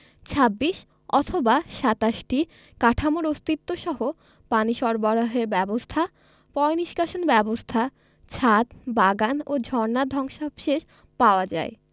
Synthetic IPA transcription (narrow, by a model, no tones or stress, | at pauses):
t͡ɕʰabːiʃ | ɔt̪ʰobaʃat̪aʃʈi | kaʈʰamoɾost̪it̪ːoʃɔɦo | paniʃɔɾboɾaɦeɾbɛbost̪ʰa | pɔjniʃkaʃonbɛbost̪ʰa | t͡ɕʰat̪baɡanod͡ʑʱɔɾnad̪ʱɔŋʃabʃeʃ | paoad͡ʑa̰e